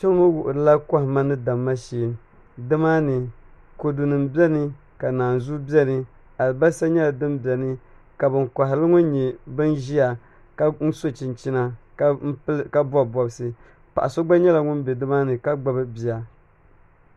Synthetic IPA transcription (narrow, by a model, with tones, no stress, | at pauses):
t͡ʃɛ˦ŋ˦o˦wʊ˨ʔʊ˨ɾɨ˨la˦ka˦hɪ˨ma˦nɨ˦da˨mːa˦ʃeː˨m | dɨ˦maː˦nɨ˨ | ko˨du˨nɨ˨mbi˦ɛ˦nɨ˦ | ka˨naː˨nzu˦bi˦ɛ˦nɨ˦ | a˨lɨ˨ba˦sa˦ɲɛ˦la˨dɨ˦mbi˨ɛ˨nɨ˦ | ka˨bɨ˨ŋkʷa˨ɦɪ˨lɨ˦ŋʊ˦ɲi˨bɨ˦nʒi˦a˨ | ka˦n̩˦so˦t͡ʃɪ˨nt͡ʃi˦na˦ | ka˦bu˦a˦˨bɔ˨bɨ˦sɨ˦ | pa̰˨ʔa˨so˦ɡ͡ba˦ɲɛ˦la˨ŋʊ˦nbe˨dɨ˦maː˦nɨ˨ka˦ɡ͡ba˦bɨ˦bi˨a˨